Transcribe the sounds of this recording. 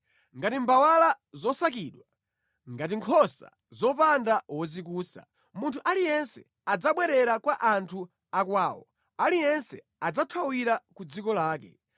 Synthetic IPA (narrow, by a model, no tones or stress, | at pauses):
ŋɡatimbawala | zɔsakiɗwa | ŋɡatiŋkʰɔsa̰ | zɔpandawɔzikuːsa̰ | muntʰuʔalijɛnsɛ | ad͡zaɓwɛɾɛɾakwaʔantʰu | akwaːwɔ̰ | alijɛnsɛ | ad͡zatʰwawiɾakud͡zikɔlaːkɛ̰